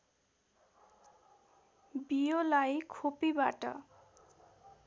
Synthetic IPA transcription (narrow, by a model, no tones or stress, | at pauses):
bijolajkʰopibaʈʌ̰